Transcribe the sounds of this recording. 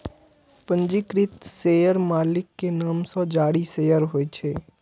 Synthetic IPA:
pə̃ɲd͡ʒikɾɪt̪seːjəɾmaːlɪkːenaːmsɔd͡ʒaːɽiseːjəɾɦoːet͡ʃʰeː

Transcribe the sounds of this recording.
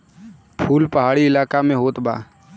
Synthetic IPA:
pʰuːlpɐɦaːɽiɪlaːkamẽɦoːt̪ba̰ː

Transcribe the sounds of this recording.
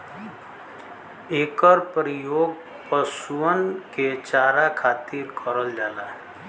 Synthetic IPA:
ekəɾpɾijoɡ | pəsuənket͡ʃaɾakʰat̪iɾkʰəɾəld͡ʒala

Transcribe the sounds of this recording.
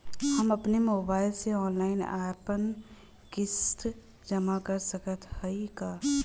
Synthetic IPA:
hɐmɐpnemoːbaːɪlseɔːnlaːɪna̰ːpən | kɪst̪ | d͡ʒɐmakɐɾsɐkət̪ʰhɐikaː

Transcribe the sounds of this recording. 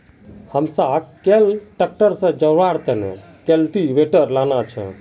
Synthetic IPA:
həmsəb̚kelʈək̚ʈəɾsə̃d͡ʒəɾaɾt̪enḛ | kelʈiʋeʈəɾlanat͡ʃʰə̰

